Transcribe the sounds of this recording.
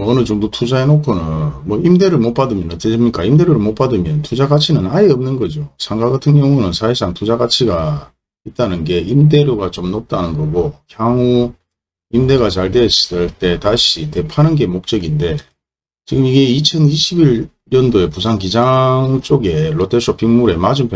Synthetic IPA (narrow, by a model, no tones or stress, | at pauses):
ʌnɯt͡ɕoŋdotʰud͡ʑaenokʰonɯnmwʌimde̞ɾɯɭmop͈adɯmjʌnʌt͈ʰeɕʰimɲik͈aimde̞ɾjoɾɯɭmop͈adɯmjʌntud͡ʑaɡat͡ɕʰinɯnaeʌmnɯnɡʌd͡ʑosʰaŋɡaɡatʰɯŋɡjʌŋunɯnsʰaiɭsʰaŋtud͡ʑaɡat͡ɕʰiɡa | it̚t͈anɯnɡe̞imde̞ɾjoɡat͡ɕomnop̚t͈anɯnɡʌɡokjaŋu | imde̞ɡat͡ɕaɭteɕisɯɭt͈e̞taɕʰite̞pʰanɯnɡe̞mok̚t͡ɕ͈ʌɡinde̞ | t͡ɕiɡɯmiɡe̞it͡ɕʰʌniɕʰibiɾː | ʌndoe̞pus̬ʰaŋkid͡ʑaŋt͡ɕ͈oɡe̞ɭotʰesʰʌpʰiŋmuɾe̞mad͡ʑumpʰ